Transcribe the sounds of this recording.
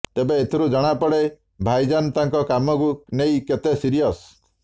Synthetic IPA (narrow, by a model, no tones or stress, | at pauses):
t̪ebeːt̪ʰiɾud͡ʒɔɽ̃apɔɽe | bʱajd͡ʒanɔt̪aŋkɔkamɔkunejket̪esiɾijɔs